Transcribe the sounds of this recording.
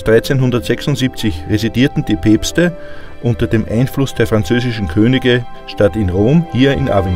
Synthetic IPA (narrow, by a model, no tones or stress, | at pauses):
sd̥ʁaɪt͡senɦʊ̃ndɐtz̥ɛksʊntz̥iːp̚t͡sɪçʁezidiːɐtn̩d̥iːpʰeːpstə | ʔʊ̃ntɐdeːmʔa̰ɪnflʊsd̥eːɐfʁ̥ant͡søːzɪʃn̩kʰøːnɪɡə | ʃtatɪnʁoːmhiːɐɪ̰nʔa̰ven